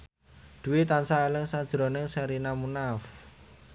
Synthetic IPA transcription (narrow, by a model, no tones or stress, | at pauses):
d̪̥uwit̪ansaelɪŋsad̥ʒ̥ɾonɪŋsaɾinamunaf